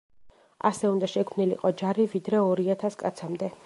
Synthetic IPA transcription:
a̰sɛund̪aʃɛkʰmnilḭqʼɔd͡ʒaɾivid̪ɾɛɔɾiat̪ʰaskʼa̰t̪sʰamd̪ɛ

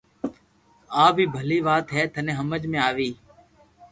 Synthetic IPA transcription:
aːbʱiːbʱəliːʋaːt̪ɦɛːt̪ʰənẽːɦəməd͡ʒmẽːaːʋiː

